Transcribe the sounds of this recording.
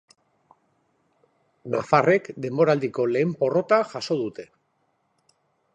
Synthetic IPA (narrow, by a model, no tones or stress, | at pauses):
nafare̞kd̪e̞mbo̞ɾald̪iko̞le̞ːmpo̞ro̞t̪aʝaso̞ðut̪e̞